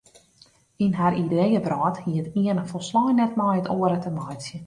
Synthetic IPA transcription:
inɦaɾidejəbrɔːthiətiənəfolˠslɔjnɛt̚mɔjətoəɾətəmɔjsjə

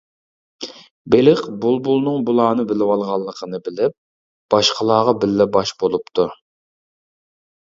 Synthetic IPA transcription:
belɪqbulˠbulˠnɨŋbulˠɑːnɨbɪlɪwɑlˠʁɑlˠːəqʰənɨbɪlɪp̚ | b̥ɑʃqʰəlˠɑːʁɑbɪlːɛbɑʃbolˠupt̪ʰu

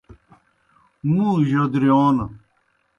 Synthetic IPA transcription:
mũːʑod̪ɾioːnɐ

